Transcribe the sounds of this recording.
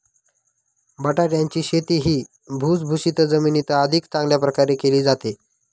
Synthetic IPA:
bəʈaʈjaɲt͡ɕiːɕet̪iːɦiː | bʱut͡sbʱuɕit̪əd͡zəminit̪aəd̪ʱikt͡sãŋɡljapɾəkaɾekeliːd͡zat̪e

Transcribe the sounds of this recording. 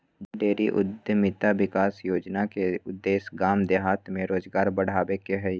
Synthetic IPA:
ɖeːɾiʔʊ̰d̪jəmɪt̪aʋɪkaːsjoːd͡ʒnakeʊd̪ːeːsɡaːmd̪eɦaːt̪mẽɾoːzɡaːɾbɐɽ̤aːʋekeɦɛ

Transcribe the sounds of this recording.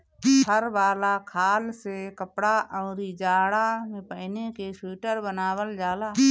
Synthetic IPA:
həɾbaːlakʰaːlsekəpɽaʔɔːɾid͡ʒaːɽamẽpəːnekesuːʈəɾbənaːwəld͡ʒaːlaː

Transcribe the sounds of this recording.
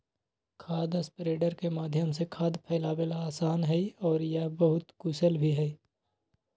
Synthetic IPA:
kʰaːd̪əspɾeːɖəɾkemaːd̪ʱjəmsekʰaːd̪pʰɛːlaːbelaaːsaːnɦɛiɔːɾjɐɦbəɦʊt̪kusəlbʱiɦɛi

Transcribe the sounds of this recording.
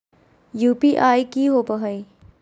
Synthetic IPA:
juːpiʔaːikiɦoːpəɦəi

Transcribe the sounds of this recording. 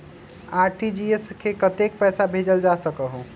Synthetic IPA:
aɾʈid͡ʒieskʰekət̪ek̚pɛsabʱed͡ʒəld͡ʒasəkəɦu

